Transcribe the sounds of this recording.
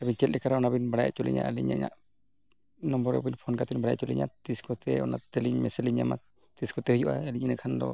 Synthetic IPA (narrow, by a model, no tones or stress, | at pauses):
abint͡ʃɛl̚ɛkaɾaɔnabinbaɽajɛ̰t͡ʃulḭɲa̰ʔaliɲa̰ʔɲa̰ʔ | nɔmbɔɾɔ̰binpʰɔnkat̪inbaɽajʔt͡ʃulḭɲa̰t̪iskɔt̪ɛɔnat̪eliɲmɛsɛliɲama̰k̚ | t̪iskɔt̪ɛhujuʔa̰eliɲinɨkʰandɔ̰